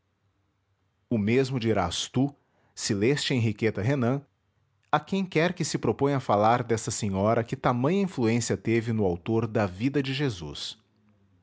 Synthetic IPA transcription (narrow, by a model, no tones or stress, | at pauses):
ʊmezmʊd͡ʒiɾa̰st̪u | silɛst͡ʃɪẽɦiket̪ɐɦenɐ̃ | ɐkẽj̃kɛɾkɪsɪpɾopõj̃ɐfalaɾd̪ɛsɐsẽɲɔɾɐkɪt̪amɐ̃j̃ɐĩfluẽsiɐt̪evɪnʊawt̪oɾd̪ɐvid̪ɐd͡ʒɪʒezṵs